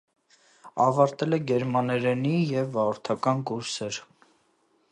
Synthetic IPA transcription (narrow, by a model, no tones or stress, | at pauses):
ɑvɑɾt̪ɛlɛɡɛɾmɑnɛɾɛnijɛvːɑʁɔɾt̪ʰɑkɑnkuɾsɛɾ